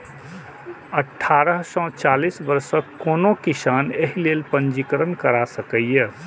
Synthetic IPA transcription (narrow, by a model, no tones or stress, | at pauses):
əʈʰːaːɾəɦsɔ̃t͡ʃaːlisbəɾsəkːoːnokisaːneɦilelpənd͡ʒikəɾənkəɾasəkəijə